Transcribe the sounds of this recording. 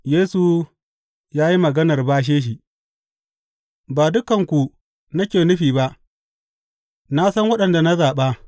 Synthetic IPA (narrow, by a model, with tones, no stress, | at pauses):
jeː˦su˨ | jaː˦ji˦mɐ˨ɡɐ˦nɐ˨rbaː˦ʃ̬eː˦ʃ̬i˨ʔ | baː˨dʊ˦kɐ˨ŋkʷu˨ | na˦kʲeː˨nʊ˦ɸiː˨ba˦ʔ | na˦sɐ˦ŋwɐ˦ɗɐ˨nda˨na˦zaː˨ɓaː˦